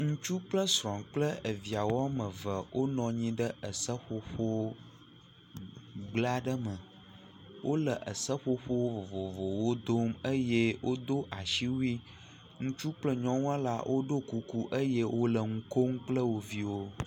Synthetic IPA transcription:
ŋũ˦t͡ʃu˦k͡plə˦sɾɔ̃˨ŋk͡plə˦ʔə˨vi˨a˨wo˦a˦mə̃˨və˨wʔo˦nɔ̃˨ɲĩ˦ɖə˦ʔə˨sə˦ɸo˨ɸo˦ | ɡ͡bla˦ɖə˦mə˨ | wʔo˦lə˨ʔə˨sə˦ɸo˦ɸo˦wo˦vo˨vo˨vo˨wo˦d̪o˦mə˦je˦wʔo˦d̪o˦ʔa˨ʃi˦wu˦i˦ | ŋũ˦t͡ʃu˦k͡plə˦ɲɔ̃˦ŋũ˦a˦la̰˦wʔo˦ɖo˦ku˨ku˦ʔə˦jɛ˦wʔo˦lə˨ŋ̩˦ko˦ŋk͡plə˦wo˨vi˦wo˦

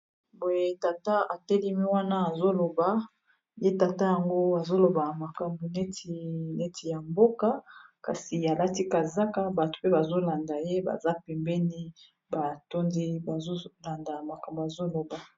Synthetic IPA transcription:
bo˨je˦ta˨ta˦a˨tɛ˦li˦mi˦wa˦na˦a˨zo˦lo˨ba˨ | je˦ta˨ta˦ja˨ŋɡo˦a˨zo˦lo˨ba˨ma˨ka˨mbu˨ne˦ti˨ne˦ti˨ja˨mbo˦ka˦ka̰˨si˨a˨la˦ti˦ka˨za˦ka˦ba˨to̥˨pe˦ba˨zo˦la˨nda˨je˦ba̰˨za˦pɛ˨mbɛ˦ni˦ | ba˨to˦ndi˦ba˨zo˦la˨nda˨ma˨ka˨mbo˨a˨zo˦lo˨ba˨

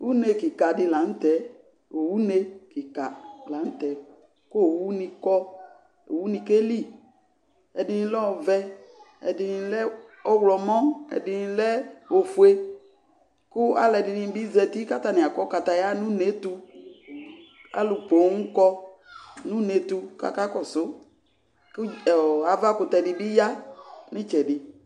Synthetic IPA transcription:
wu˦ne˨ki˨ka˨dɪ˨la˨n̩˦tɛ˨˦ | o˨wu˦ne˦kɪ˨ka˨la˨˦n̩˦t̪ɛ˨˦ | ko˦˨wu˦nĩ˧kɔ˦ | o̰˨wu˦nĩ˧ke˦li˦ | ɛ˨dɪ˨˦nĩ˦lɔ˦ɔ˧˨vɛ˦ | ɛ̰˨dɪ˨˧lɛ˦ɔ˦wlɔ˨mɔ̃˦ɛ̰˨dɪ˨n˧lɛ˦o˨fu˨e˦ | kʊ˦a̰˦lɛ˨dɪ˨nĩ˨˦bi˦zɛ˨t̪i˦ka˦t̪a˨nĩ˨a˨kɔ˦ka˨t̪a˨ja˦nũ˦ne˦t̪u˧ | a̰˦lʊ˨po˨˦ŋũ˦kɔ˦ | nũ˦ne˨t̪u˦ka̰˨ka˦kɔ˦sʊ˦ | ka˨va˦kʊ˨t̪ɛ˨dɪ˨bi˦ja˦nĩ˦t͡ʃɛ˨ɖɪ˨

